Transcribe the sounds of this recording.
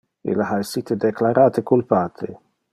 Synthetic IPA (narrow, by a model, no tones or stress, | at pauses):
ɪ̰lahajsiːt̪ɪd̪ɛklaɾʔaːt̪ɪkʊlpaːt̪ʰɪ̰